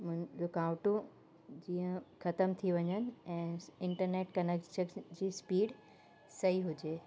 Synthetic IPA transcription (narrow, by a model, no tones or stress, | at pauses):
mʊ̃ɦɪ̃d͡ʑokaːʊʈũ | d͡ʑiːə̃kʰɐt̪əmt̪ʰiʋɐɲənɪ̆ɛ̃ːɪ̃ɳʈəɾneːʈkɐnekʃəɾd͡ʑiːspiːɽ | sɐɦiɦʊd͡ʑeː